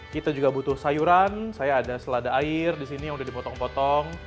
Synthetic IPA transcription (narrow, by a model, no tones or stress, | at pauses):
kit̪ad͡ʒuɡabut̪ʊhsajuɾansajaːdasəladaːɪrdisinijaŋudahdipɔt̪ɔŋpɔt̪ɔŋ